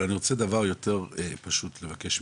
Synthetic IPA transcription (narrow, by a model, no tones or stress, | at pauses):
aniʁo̞t͡sed̪avaʁjo̞te̞ʁepaʃutlevakeʃ